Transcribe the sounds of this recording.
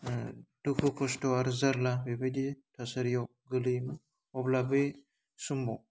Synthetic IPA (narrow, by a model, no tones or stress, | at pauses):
d̥ukʰukʰɔstɔaɾzaɾlabebeditʰɔsaɾjɔ | ɡɯlɯjmɯ | ɔblabɯj | sumbɔ